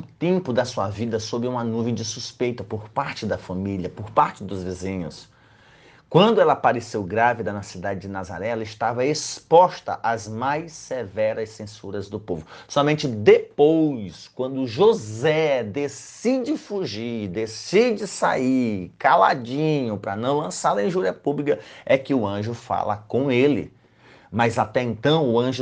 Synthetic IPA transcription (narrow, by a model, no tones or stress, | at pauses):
ũt̪ẽmpʊd̪ɐsuɐvid̪ɐsobɪũmɐnuvẽd͡ʒɪsuspejt̪ɐpoɾpaɾt͡ʃɪd̪ɐfɐ̃miliɐpʊɾpaɾt͡ʃɪd̪ʊzvezĩɲʊ̰s | kwɐ̃nd̪ʊɛlɐpaɾesewɡɾavid̪ɐnɐsid̪ad͡ʒɪd͡ʒɪnaza̰ɾɛɛlɐɪst̪avɐespɔst̪ɐ̰ʔazmajsevɛɾɐssẽsuɾɐzd̪ʊpovʊsɔmẽnt͡ʃɪd̪epojskwɐ̃nd̪ʊʒozɛd̪es | id͡ʒɪfuʒiɾd̪esid͡ʒɪsa̰iɾkala̰d͡ʒĩɲʊpɾɐnɐ̃w̃lɐ̃saɾɐĩʒuɾiɐpublikɐɛkɪʊɐ̃ʒʊfa̰lɐ̰kõelɪ̰ | mɐzat̪ɛẽnt̪ɐ̃w̃ʊɐ̃ʒ